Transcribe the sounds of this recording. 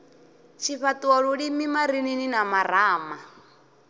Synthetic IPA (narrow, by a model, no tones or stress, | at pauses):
t͡ʃʰiɸatuwɔɺuɺimimaɾinininamaraːma